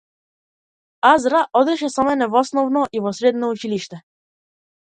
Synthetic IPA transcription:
azɾaʔɔd̪ɛʃɛsɔmɛnɛvɔsnɔvnɔʔivɔsɾɛd̪nɔut͡ʃiliʃt̪ɛ

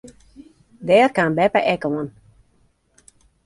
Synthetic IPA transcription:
dɛːrkanbɛpə̰ʔɛkoən

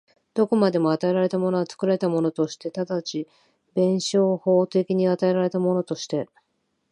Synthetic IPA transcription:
d̪̥o̞ko̞mad̪e̞mo̞at̪ae̞ɾaɾe̞t̪amo̞no̞ɡat͡sɨ̥kɯ̟ɾaɾe̞t̪amo̞no̞t̪o̞ɕi̥t̪e̞t̪ad̪at͡ɕi | bẽ̞ɰ̃ɕo̞ːho̞ːt̪e̞kʲiɲ̟iat̪ae̞ɾaɾe̞t̪amo̞no̞t̪o̞ɕi̥t̪e̞

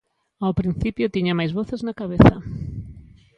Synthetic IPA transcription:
awpɾin̟θipjʊt̪iɲamajzβɔθeznakaβeθa

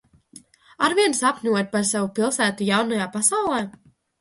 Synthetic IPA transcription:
aɾviɛnsapnʲuɔt̪̚ʲpaɾsavupilˠsæːt̪ujawnajaːpasawlˠɛː

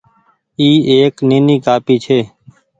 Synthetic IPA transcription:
iːeːkneːniːkaːpiːt͡ʃʰeː

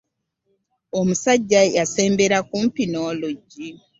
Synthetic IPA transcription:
omusaɟːajase̞ːmbeɾakumpinoːloɟi

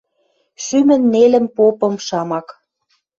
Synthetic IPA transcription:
ʃymə̆nːelə̆mpopɤ̆mʃɑmɑk

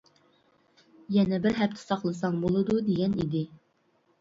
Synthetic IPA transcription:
jɛnɛbɪɾɦɛp̚t̪ʰɪ̥sɑχlˠɨsɑŋbolˠɨd̪ud̪eɡʲɛnid̪ɪ

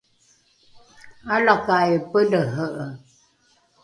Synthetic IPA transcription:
alakajpələɦəʔə

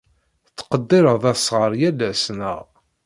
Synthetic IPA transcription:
t͡sːqəd̪ːɪɾəðˤæsːʁəɾˤjælːæsnəʁ

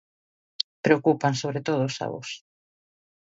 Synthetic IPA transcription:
pɾeokupansoβɾet̪oð̞ʊːsa̰βo̰s

